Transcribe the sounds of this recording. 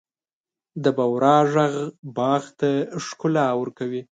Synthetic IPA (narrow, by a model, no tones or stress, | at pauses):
d̪əbawɾɑʒaɣbɑɣt̪aʂkʊlawəɾkawi